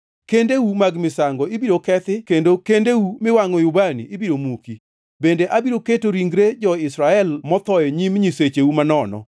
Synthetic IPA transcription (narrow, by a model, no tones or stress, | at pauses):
kendewumaɡmɪsaŋɡɔɪbiɾokɛt̪ɪkendokendewumɪwaŋɔjʊbanḭʔːbiɾomuki | bendeʔabiɾoketoɾiŋɡɾed͡ʒɔɪsɾaɛlmɔt̪ɔjɛɲimɲiset͡ʃeumanɔnɔ̰